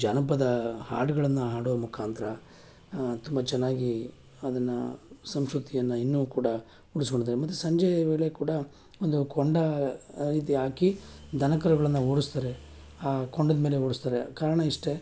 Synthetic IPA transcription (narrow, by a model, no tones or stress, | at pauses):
d͡ʒanɐp̬ɐd̪ɐha̰ːɖuɡɐɭɐnːɐɦaːɽuʋɐmukʰaːnt̪ɐɾɐ | t̪umbɐt͡ʃɛnːaːɡi | ɐd̪ɐnːɐsɐmʃɾut̪ijɐnːɐinːuːkuːɽɐ | uɽuskoɳɖid̪aːɾemɐt̪ːusɐɲd͡ʒɐjɐʋeːɭe̞kuːɽɐ | ond̪ukoɳɖɐɾiːt̪̬iɦaːkid̪ʱɐnɐkɐɾuɡɐɭɐnːɐɦoːɽust̪aːɾe̞ | aːkoɳɖɐd̪ɐmeːle̞oːɽust̪aːɾekaːɾɐɳɐiʂʈe